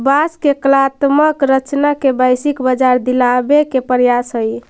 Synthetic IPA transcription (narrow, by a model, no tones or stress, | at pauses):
baskeklat̪məkɾət͡ʃnakebajsikbəd͡ʒaɾd̪ilabekepəɾjasɦəj